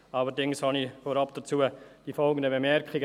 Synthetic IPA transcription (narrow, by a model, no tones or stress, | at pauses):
ɑlədɪŋshɑnifoːɾɑp̚d̥ət͡suːəd̥ifɔlˠɡən̩d̪əbemɛɾkχɪɡə